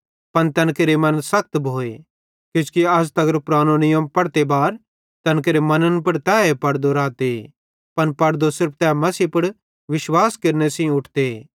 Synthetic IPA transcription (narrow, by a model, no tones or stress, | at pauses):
pɐnt̪ɐ̃nkeɾemɐ̃nsɐk̚t̪bʱoːe | kɪskiɐst̪ɐɡəɾpɾaːnonɪjɐmpɐɽt̪ebaːɾ | t̪ɐnk̬eɾemɐnənpɐɽt̪ɛːepɐɽd̪oɾaːt̪e | pɐnpɐɽd̪osɪɾpʰt̪ɛːmɐsiːpɐɽ | ʋɪʃwaːskeɾnesĩʊʈʰd̪e